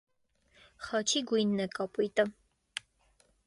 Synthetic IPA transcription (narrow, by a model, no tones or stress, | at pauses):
χɑt͡ʃʰiɡujnːɛkɑpujt̪ə